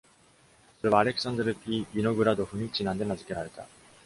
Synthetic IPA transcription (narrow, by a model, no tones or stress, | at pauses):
sɯɾɯβaːɾe̞kɯ̥s͈andɯɾɯpʰiinoɡɯɾadoɸɯmit͡ɕinand̪enad͡ʑɯk͈eɾaɾet͈a̰